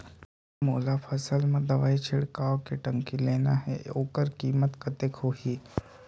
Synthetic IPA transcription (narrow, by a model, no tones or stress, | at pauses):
moːlapʰəsəlmẽd̪ɐʋaːit͡ʃʰɪɽkaːʋkeʈəŋkileːna̰ɦḛoːkəɾkiːmət̪kʰət̪ekhoɦiː